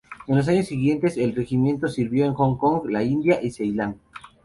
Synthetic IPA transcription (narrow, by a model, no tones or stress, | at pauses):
enlo̞s̬aɲo̞sːiɣje̞nt̪e̞se̞lre̞ximje̞nt̪o̞siɾβjo̞eŋxoŋko̞ŋɡlaind̪jaʔisejland̪